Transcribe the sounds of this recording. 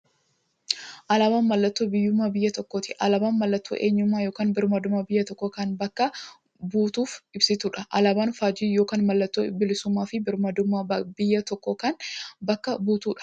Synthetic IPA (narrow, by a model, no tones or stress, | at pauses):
ʔɐlɐbaːnmɐlːɐt̪ːoːbɪjːʊmːaːbɪjːɐt̪ɔkːoːt̪ɪ̥ʔɐlɐbaːnmɐlːɐt̪ːo̰ːʔe̞ːɲːʊmːaːjo̞ːkaːnbɪɾmɐd̪ʊmɐbɪjːɐt̪ɔkːokaːnbɐkːɐ | buːt̪uːfɪbsɪt̪uːᶑɐʔɐlɐbaːnfaːd͡ʒiːjo̞ːkaːnmɐlːɐt̪ːoːbɪlɪsʊmːaːfɪbɪɾmɐd̪ʊmabɪjːɐt̪ɔkːɔkaːnbɐkːɐbuːt̪uːᶑɐ̥